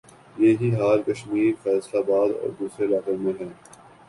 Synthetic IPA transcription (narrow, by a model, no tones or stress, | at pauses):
jeːɦiɦaːɾkəʃmiːɾfɛːslabaːd̪ɔ̰ːɾd̪uːsɾelaːkəɾmẽɦɛ̃ː